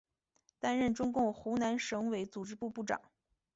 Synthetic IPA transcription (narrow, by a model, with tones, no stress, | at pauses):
t̪a˥nɻə˥˩nʈ͡ʂʊ˥ŋkʊ˥˩ŋxu˧˥na˧˥nʂɤ˧˥ŋwe˧˥ɪt͡su˨˩ʈ͡ʂɻ̩˥pu˥˧pu˥˩ʈ͡ʂɑ̰˨˩˦ŋ